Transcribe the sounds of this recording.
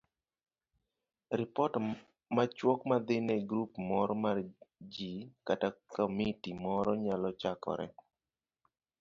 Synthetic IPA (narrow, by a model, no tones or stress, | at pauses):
ɾɪpɔt | mat͡ʃwɔkmad̪ɪnɛɡɾupmɔɾɔmard͡ʒikatakomitimɔɾɔɲalɔt͡ʃakɔ̰ɾɛ̰